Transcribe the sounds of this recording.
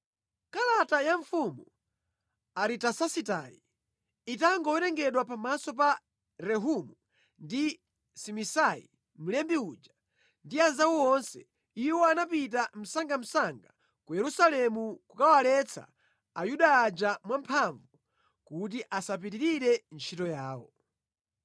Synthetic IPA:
kalatajaɱfumu | aɾitasasita̰jḭ | itaŋɡɔwɛɾɛŋɡɛɗwapamasɔpa | ɾɛɦumu | ndi | simisajḭ | m̩lɛmbiud͡ʒa | ndianzawɔɔnsɛ | iwɔanapit̬am̩saŋɡam̩saŋɡa | kujɛɾusalɛmukukawalɛt͡sʰa̰ | ajuɗaːd͡ʒamwampʰaɱvu | kut̬iʔasap̬itiɾiɾɛnt͡ʃʰitɔjaːwɔ̰

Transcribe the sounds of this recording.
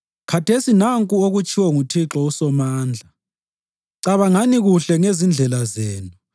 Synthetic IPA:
kʰatʰesinaŋkʼuoɣut͡ʃʰʼiwɔŋutʰiǁɔusɔmaːnd͡ɮʱa | ǀaβaŋaniɣuɬɛŋezind͡ɮʱɛlazeːnu

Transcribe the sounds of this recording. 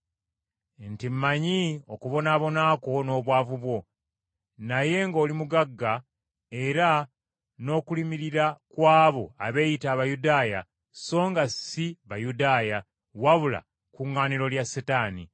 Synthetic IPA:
ntimmaɲio̞kuβo̞naːβo̞naːko̞no̞ːβwaːvuβwo̞ | naje̞ŋɡo̞ːlimuɡaɡːa | e̞ɾa | no̞ːkulimiɾiɾakwaːβo̞a̰βe̞ːjitaːβajudaːja | so̞ːŋɡasiβajudaːja | waβula̰ | kuŋːaːniɾo̞ljasetaːnḭ

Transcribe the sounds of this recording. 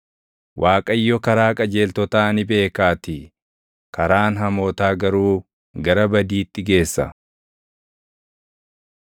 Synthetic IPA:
wʔaːkʼɐjːɔkɐɾaːkʼɐd͡ʒe̞ːlt̪ɔt̪aːɐnɪbe̞ːkaːt̪ɪ | kɐɾaːnɦɐmoːt̪aːɡɐɾuː | ɡɐɾɐbɐd̪iːt̪ːɪɡe̞ːsːɐ̰

